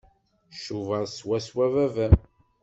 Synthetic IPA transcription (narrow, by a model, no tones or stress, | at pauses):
ʃuvəɾˤswæswævævæm